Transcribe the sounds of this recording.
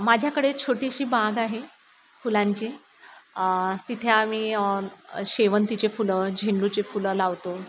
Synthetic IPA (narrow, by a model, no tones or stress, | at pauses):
mad͡ʑʱjakəɽet͡ɕʰoʈiɕiːbaɡaɦe | fulãɲt͡ɕiː | t̪it̪ʰeamiː | ɕeʋənt̪it͡ɕefuləd͡ʑʱeɳɖut͡sefuləlaʋt̪o